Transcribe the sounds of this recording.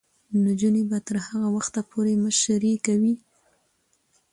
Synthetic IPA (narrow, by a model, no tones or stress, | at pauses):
nod͡ʒunebat̪əɾhaɣawaxt̪apʰoɾeməʃɾikawi